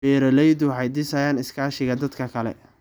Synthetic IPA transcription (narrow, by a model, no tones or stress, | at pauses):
ɛːɾɐlɛjd̪ʊħɑjd̪ɪsajaːnɪskʰaːʃɪɣɐd̪ɐd̪kʰɐkʰɐlɛ̰